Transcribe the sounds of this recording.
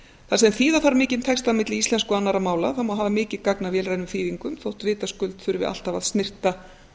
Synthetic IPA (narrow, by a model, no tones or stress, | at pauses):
θas̬ɛmθiːðaθaɾmɪːcɪnt̪ʰɛkst̪aðmɪt̪lɪist̪ɛnskʏanːaɾamaːwlaðθamawɦaːvamɪːcɪðkaknavjɛːlrajnʏmθiːðiŋkʏmθowht̪vɪːt̪askʏlt̪θʏɾvɪ̰ʔa̰l̥t̪avaðst̪nɪr̥t̪a